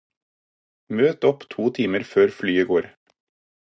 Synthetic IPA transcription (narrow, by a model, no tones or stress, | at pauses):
møːt̪ɔpt̪ʰuːt̪ʰiːməɾføːɾflyːəɡoːɾ